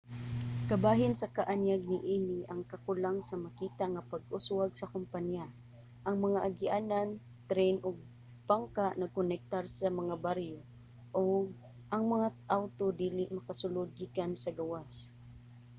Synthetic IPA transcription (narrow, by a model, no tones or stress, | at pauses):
kɐbaːɦɪnsɐkaʔanjaɡ̚nɪʔiːnɪʔɐŋkakʊlaŋsɐamakiːt̪aŋapaɡ̚ʔʊswaɡsɐkʊmpanja | ʔɐŋmɐŋaʔaɡɪʔaːnan | t̪ɾɛjnoɡ̚ | paŋkaʔnɐɡ̚kʊnɛk̚t̪aɾsamɐŋabaɾjo | ʔoɡ | ʔɐŋmɐŋaʔawt̪od̪iːlɪʔmɐkasʊlod̪̚ɡikansɐɡɐwas